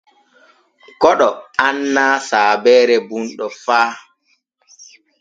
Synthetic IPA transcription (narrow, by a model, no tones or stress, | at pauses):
kɔɗɔanːaːsaːbɛːɾɛbunɗɔfaː